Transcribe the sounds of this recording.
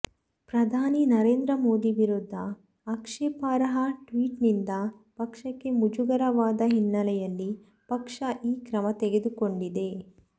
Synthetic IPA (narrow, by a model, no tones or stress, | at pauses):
pɾɐd̪ʱaːninɐɾe̞ːnd̪ɾɐmo̞ːd̪iʋiɾud̪ʱːɐː | kʂeːpaːɾɐɦɐʈʋiːʈnind̪ɐ | pɐkʂɐkːe̞mud͡ʒuɡɐɾɐʋaːd̪ɐɦinːɐlɛjɐlːi | pɐkʂɐʔiːkɾɐmɐt̪eɡed̪uko̞ɳɖid̪e̞